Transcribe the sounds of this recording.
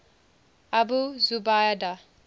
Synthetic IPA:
abuzubajada

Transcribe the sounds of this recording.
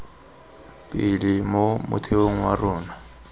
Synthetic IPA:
pʼɪlɪmomʊ̰tʰeoŋ̩wa̰rʊːna

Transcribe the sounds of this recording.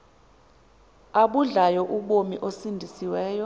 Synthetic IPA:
aɓuɮajɔʔuɓomiʔosindʱisiwɛːjɔ

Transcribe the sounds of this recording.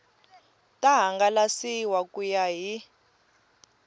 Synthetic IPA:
tʼaɦaŋɡalasiwakujaɦi

